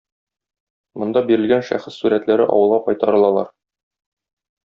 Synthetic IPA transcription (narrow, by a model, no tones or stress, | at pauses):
mŏnd̪ɑbiɾɘ̆lɡænʃæ̰χɘsːuɾæt̪læɾɘʔɒ̰wɤ̆lˠʁɑqɒjt̪ɑɾɤ̆lˠɑlˠɑ̰ɾ